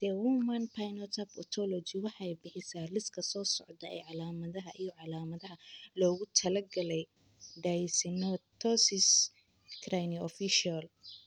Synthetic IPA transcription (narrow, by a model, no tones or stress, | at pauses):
d̪̥ɛwumɐnpʰajnɔt̪ʰɐpɔ̰t̪ʰɔlɔt͡ʃɪwɑħɑjbɪħɪsaːrɪskʰɐsɔːsɔʕd̪ɐɛ̰jʕɑlaːmɐðɐɦɐʔijɔʕɑlaːmɐðɐɦɐlɔːɣʊt̪ʰɐlɐɡɐlɛj | ɖajsɪnɔt̪ʰɔsɪs | krajniɔfiʃal